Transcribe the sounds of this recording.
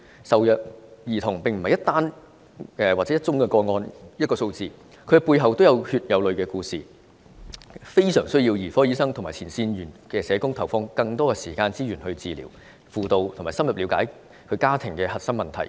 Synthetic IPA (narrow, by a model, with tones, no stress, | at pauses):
sɐ˨wjœ˨˩k̚jiː˨˩t̪ʰʊ˨˩ŋpɪ˨ŋm̩˨˩hjɐ˥t̪̚aː˥n | ɛː˨waː˨˩t͡sɛː˨˥jɐ˥t̚t͡ʃʊ˥ŋkɛ˧kɔː˧ŋɔː˧njɐ˥t̚kɔː˧so˧wt͡siː˨ | kʰɵ˨˧ɥkɛ˧puː˧jɦɐ˨wt̪o˥wjɐ˨˧whyː˧t̚jɐ˨wlɵ˨ɥkɛː˧kuː˧siː˨ | fe˥jsœː˨˩ŋsɵ˥ɥjiː˧wjiː˨˩fɔː˥jiː˨˥sɐ˥ŋt̪ʰʊ˨˩ŋmaː˨˩t͡sʰiː˨˩nsiː˧njyː˨˩nkɛː˧sɛː˨˧kʊ˥ŋt̪ʰɐ˨˩wfɔː˧ŋkɐ˧ŋt̪ɔː˥kɛ˧siː˨˩kaː˧nt͡siː˥jyː˨˩nhɵ˧ɥt͡siː˨˧lḭː˨˩w | fuː˨˧t̪o˨˧wt̪ʰʊ˨˩ŋmaː˨˩jsɐ˥mjɐ˨p̚liː˨˥wkaː˨˥j | kʰɵ˨˧ɥkaː˥t̪ʰɪ˨˩ŋkɛː˧hɐ˨t̚sɐ˥ŋmɐ˨nt̪ʰɐ̰˨˩j